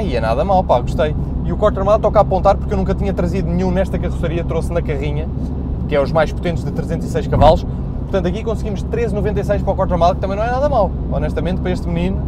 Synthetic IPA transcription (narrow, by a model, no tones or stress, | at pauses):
iɛnaðɐmawˠpaɣuʃt̪ɐj | iukɔɾt̪ɾɐɾmalˠt̪ɔkapõnt̪aɾpuɾkewnũkɐt̪iɲɐt̪ɾɐziðunɨɲũnɛʃt̪ɐkɐʁusɐɾiɐt̪ɾosnɐkɐʁiɲɐ | kɛuʒmajʃput̪ẽnt̪ʒðɨt̪ɾɨzẽnt̪z̥isɐjʃkɐvalˠuʃ | puɾt̪ɐ̃nt̪ɐkikõsɡimuʃt̪ɾezinuvẽnt̪ɐjsɐjʃpɾɔkɔɾt̪ɾɐɾmalˠk̚t̪ɐmɐ̃j̃nɐ̃w̃ɛnaðɐmawˠ | ɔnɛʃt̪ɐmẽnt̪̚pɐɾɐeʃt̪mninu